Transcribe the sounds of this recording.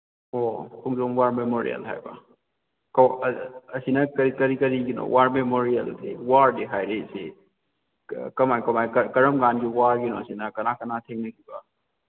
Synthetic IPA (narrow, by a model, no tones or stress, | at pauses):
ɔkʰuŋdɔmwaɾmemoɾḭɐ̰lɦa̰jba̰ | kɐwɐsinɐkɐɾikɐɾikɐɾiɡinɔ̰wʔaɾmemoɾijɐ̰lsʰewaɾdiɦajɾese | kɐmajkɐmajkɐkɐɾɐmɡanɡiwaɾɡinɔɐsinɐkɐnakɐnatʰeŋnɐkʰiba